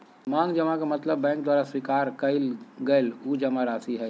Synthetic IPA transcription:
mãŋɡd͡ʒəmakamət̪ləbːɛ̃ŋk̚d̪waɾaswikaɾkəɪlɡəɪlud͡ʒəmaɾasiɦɛ

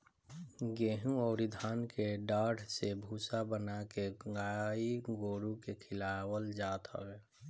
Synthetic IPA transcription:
ɡeːɦũɔːɾɪd̪ʱaːnkeɖaːɽsebʱuːsabənakeɡaːiɡoːɾukekʰɪlawəld͡ʒaːt̪ɔ̰ːwɛː

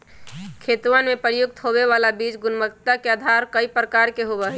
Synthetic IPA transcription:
kʰet̪ʋənmepəɾjuɡ̚t̪ɦobeβalabid͡ʒɡunməkt̪akeəd̪ʱaɾkəipɾəkaɾkeɦobɛɦɛ

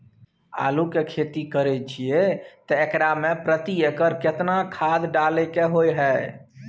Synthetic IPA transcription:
a̰ːlukekʰet̪ikəɾɛt͡ʃʰiet̪ɔekɾamepɾət̪iekəɾkɪt̪nakʰaːd̪ɖalekeɦojɦɛ

